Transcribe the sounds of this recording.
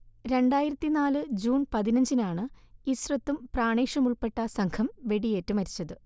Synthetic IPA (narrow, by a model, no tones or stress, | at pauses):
ɾe̞ɳɖaːjiɾɐt̪ːinaːlɨd͡ʑuːnpɐðinɐɲd͡ʑinaːɳɨisrɐt̪ːumpraːɳeːʂɐmuɭpe̞ʈːɐsɐŋkʰɐmʋe̞ɽije̞ːtːumɐɾit͡ɕːɐðɨ